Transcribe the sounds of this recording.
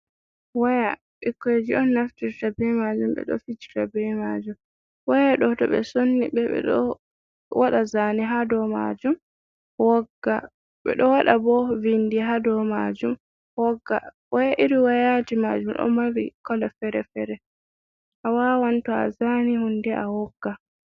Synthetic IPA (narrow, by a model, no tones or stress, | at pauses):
waja | ɓikːed͡ʒiɔnːaftiɾtabɛmad͡ʒumɓɛ̰ɗɔ̰fid͡ʒi̥tabɛmad͡ʒum | wajaɗɔtɔɓɛ̰sonːiɓɛɛ̰ɗɔ | waɗazaniɦadɔma̰d͡ʒum | wɔɡːa | ɓɛ̰ɗɔwaɗabɔvindiɦadɔma̰d͡ʒum | wɔɡːa | wajaʔiɾiwajatimad͡ʒumɗɔ̰mawikɔlafɛɾɛfɛɾɛ | ʔawawantua̰zanihundɛʔawɔɡːa